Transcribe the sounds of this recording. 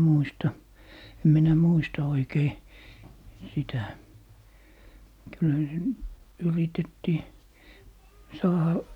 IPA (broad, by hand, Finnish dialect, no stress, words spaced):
muistɑ em minæ muistɑ oikei sitæ kylhæ se yritetːiː sɑːhɑ